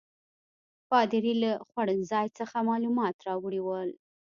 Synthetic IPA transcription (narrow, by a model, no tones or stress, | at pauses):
pɑd̪ɪɾilaxwaɽənzɑjt͡səxamɑlumɑt̪ɾɑwɽiwəl